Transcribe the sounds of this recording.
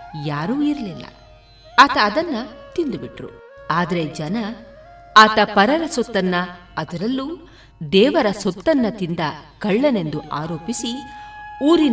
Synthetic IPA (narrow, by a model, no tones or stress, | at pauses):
jaːɾuːiɾɐlilːɐ̰ | aːt̪ɐːd̪ɐnːɐt̪ind̪ubiʈɾṵ | aːd̪ɐɾe̞d͡ʒɐnɐ | aːt̪ɐpɐɾɐɾɐsɔt̪ːɐnːɐː | d̪ɐɾɐlːuː | d̪ɛːʋɐɾɐsɔt̪ːɐnːɐt̪ind̪ɐkɐɭːɐne̞nd̪uʔaːɾoːpisi | uːɾin